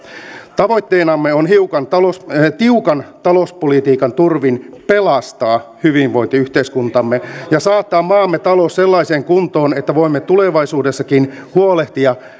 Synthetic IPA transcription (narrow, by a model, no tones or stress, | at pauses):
t̪ɑʋo̞jt̪ːeːnɑmːeonɦiukɑnt̪ɑlost̪iukɑnt̪ɑlospolit̪iːkɑnt̪urʋinpe̞lɑst̪ɑːhyʋinʋo̞int̪iyht̪eiskunt̪ɑmːejɑsɑːt̪ːɑːmmɑːmːet̪ɑlosselːɑiseːŋkunt̪oːnet̪ːæʋo̞imːet̪uleʋɑisuːdesːɑkinhuoleht̪iɑ